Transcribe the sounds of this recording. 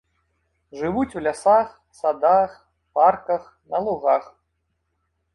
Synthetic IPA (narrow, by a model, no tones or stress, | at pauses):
ʐɨʋut͡sʲwlʲasax | sad̪ax | parkɐx | nɐlˠuɣax